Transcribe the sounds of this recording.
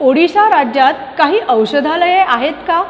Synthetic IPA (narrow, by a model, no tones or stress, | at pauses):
oɽisaɾad͡ʑjat̪kaɦiːʔəwɕəd̪ʱaləjeʔaɦet̪ka